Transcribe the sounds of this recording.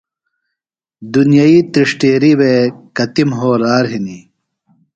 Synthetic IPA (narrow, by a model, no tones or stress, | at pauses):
d̪unjait̪ɾiʂʈeːɾiwekɐt̪imɦoːɾaːɾɦini